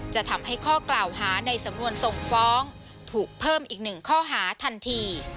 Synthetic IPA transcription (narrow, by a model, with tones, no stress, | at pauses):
t͡ɕa˨˩t̪ʰa˧mɦa˥˩jkʰɔː˥˩klaː˨˩wɦaː˩˦na˧jsa˩˦mnu˧ənso˨˩ŋfɔː˦˥ŋ | t̪ʰuː˨˩k̚pʰɤː˥˩mʔiː˨˩k̚nɯ˨˩ŋkʰɔː˥˩ɦaː˩˦t̪ʰa˧nt̪ʰiː˧